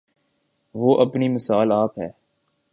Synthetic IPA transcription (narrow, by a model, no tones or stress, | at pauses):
ʋoːʔɐpnimɪsaːlaːpɦɛː